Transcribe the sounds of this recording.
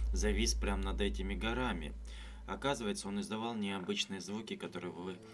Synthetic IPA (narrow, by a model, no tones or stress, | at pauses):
zɐvʲisʲpɾʲamnɐd̪ɛtʲɪmʲɪɡɐɾamʲɪ̰ | ɐ̰kazɨvəjɪt̪səo̞nɨzd̪ɐvɑlˠnʲɪɐbɨt͡ɕnɨjəzvukʲɪkɐt̪o̞ɾɨjvvɨ